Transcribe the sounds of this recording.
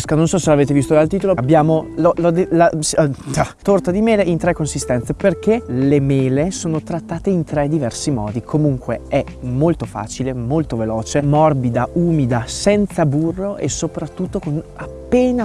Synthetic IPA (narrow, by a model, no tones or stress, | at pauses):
skanonsɔselaveːt̪evist̪od̪alt̪iːt̪oloabːjaːmololod̪elasat̪ort̪ad̪imeːleint̪ɾɛkːonsist̪ɛnt̪seperk̟elemeːlesoːnot̪ɾat̪ːaːt̪eint̪ɾɛd̪ivɛrsimɔ̰ːd̪ikʰomuŋkweɛ | molt̪ofa̰ːt͡ʃilemolt̪ovelɔːt͡ʃemɔrbid̪auːmid̪asɛnt̪saburːoʔesopɾat̪ːut̪ːokonappːeːna